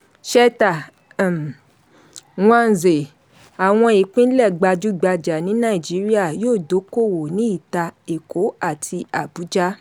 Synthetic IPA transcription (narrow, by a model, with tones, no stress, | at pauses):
ʃɛ˧ta˨ | wɔ̃˦a˧n̩˨ze˨ | a˨w̃ɔ̃˧i˨k͡pĩ˦n̩˦lɛ˦˨ɡ͡ba˧d͡ʒu˦˨ɡ͡ba˧d͡ʒa˨nĩ˨˦nãː˦i˨d͡ʒi˨˦ɾi˦a˦˨joː˦˨do˨˦ko˦˨wo˨nĩ˨˦i˦˨ta˧e˨ko˨˦a˦˨tʰi˧a˨bu˨˦d͡ʒa˦